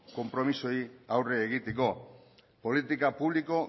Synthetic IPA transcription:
ko̞mpɾo̞miso̞iawre̞ːɣ̞it̪e̞ko̞ | po̞lit̪ikapuβliko̞

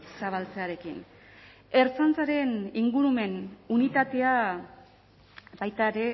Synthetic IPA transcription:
saβ̞alt͡seaɾe̞kḭn | e̞ɾt͡sant͡saɾe̞niŋɡuɾume̞nunit̪at̪e̞a | bajt̪aeɾe̞

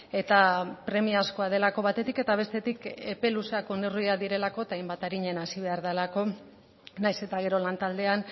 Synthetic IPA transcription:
e̞t̪apɾe̞miasko̞aðe̞lako̞βat̪e̞t̪ike̞t̪aβ̞e̞st̪e̞t̪ike̞pe̞luseako̞neriaðiɾe̞lako̞et̪aajmbat̪aɾiɲe̞nasiβ̞e̞aɾðalako̞ | najse̞t̪aɣ̞e̞ɾo̞lant̪ald̪e̞an

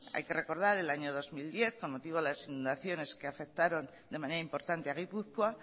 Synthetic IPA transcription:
a̰jke̞re̞ko̞ɾðaɾe̞laɲo̞ð̞o̞zmild̪je̞θko̞nmo̞t̪iβoelasinũnd̪aθjo̞ne̞skeafe̞k̚t̪aɾo̞n | d̪e̞maneɾaimpo̞ɾt̪ant̪eaɣ̞ipuθkwa

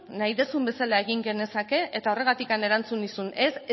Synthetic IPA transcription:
najðe̞sumbe̞salae̞ɣ̞iŋɡe̞ne̞sake̞ʔet̪ao̞re̞ɣat̪ikane̞ɾant͡sunisune̞s

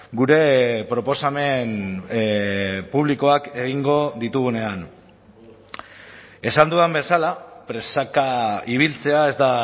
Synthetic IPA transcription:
ɡuɾe̞pɾo̞po̞same̞n | puβliko̞ake̞ɣ̞iŋɡo̞ðit̪uɣ̞une̞an | e̞sand̪uambe̞salapɾe̞sakaiβ̞ilt͡se̞ae̞zd̪a

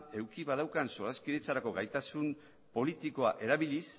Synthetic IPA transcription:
e̞wkiβaðawkanso̞ɾaskiðet͡saɾako̞ɣajt̪asum | po̞lit̪iko̞aʔe̞ɾaβilis

